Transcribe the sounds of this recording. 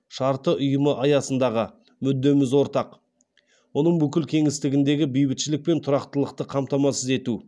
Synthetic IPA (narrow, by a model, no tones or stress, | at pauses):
ʃɑɾt̪əʔʊjəməʔɑjɑsənd̪ɑʁə | mʏd̪ːe̞mɪzwo̞ɾt̪ɑq | wo̞nəɴbʏkʲɪlkʲʰe̞ŋɪst̪ɪɡʲɪnd̪e̞ɡʲɪbijbɪt̪ʃɪlɪk̚pe̞nt̪ʰʊɾɑqt̪əlˠəqt̪əqʰɑmt̪ɑmɑsəze̞t̪u